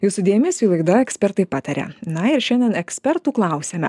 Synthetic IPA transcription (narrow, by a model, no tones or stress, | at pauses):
juːsʊd̪ʲeːmʲesʲuːlˠɐɪd̪ɐɛksʲpʲɛɾt̪ɐɪpɑːt̪ɐɾʲɛ̰nɐɪɾʃʲɛnʲd̪ʲɛnɛksʲpʲɛɾt̪uːklˠɐˑʊsʲeːmʲɛ̰